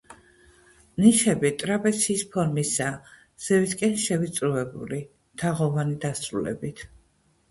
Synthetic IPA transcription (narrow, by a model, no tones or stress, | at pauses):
niʃɛbit̪ʼɾapʼɛsʰiːspʰɔɾmisa | z̥ɛviskʼɛnʃɛvit̪sʼɾuvɛbṵli | t̪ʰaʁɔvanid̪asɾulɛ̰bit̪ʰ